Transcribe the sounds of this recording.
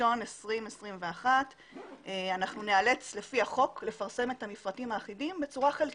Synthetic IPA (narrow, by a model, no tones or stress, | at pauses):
o̞nesʁimesʁimveaχat | eanaχnune̞ale̞t͡sle̞fiaχo̞kle̞faʁse̞me̞thamifʁatimaːχidimbe̞t͡suʁaχelk